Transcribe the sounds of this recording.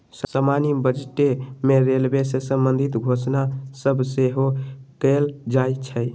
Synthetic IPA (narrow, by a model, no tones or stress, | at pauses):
ssəmanibəd͡ʒeʈemeɾelbesesəmbənd̪ʱit̪ɡʱosnasəbʱseɦokəld͡ʒajt͡ʃʰə